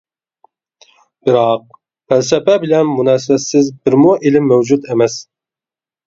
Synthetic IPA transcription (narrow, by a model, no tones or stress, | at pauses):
b̥ɪɾɑq̚ | pʰɛlsɛpɛbɪlɛnmunɛːs̬ɪbɛt̪sɪzbɪɾmuʔelɪmːæwd͡ʒut̪emɛs